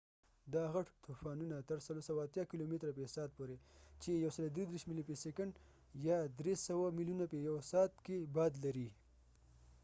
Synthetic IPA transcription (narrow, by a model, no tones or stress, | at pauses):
d̪ɑɣaʈt̪ʰufɑnunat̪aɾsalosawaːt̪jɑkilomet̪ɾapesɑt̪̚poɾet͡ʃejawsəlod̪ɾid̪ɾeʃmilipesekaɳɖ | jɑd̪ɾesawamiljunapejawsɑt̪kebɑd̪laɾi